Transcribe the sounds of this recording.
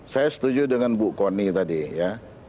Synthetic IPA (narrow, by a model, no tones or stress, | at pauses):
sajasə̥t̪ud͡ʒudəŋanbuʔkonit̪adija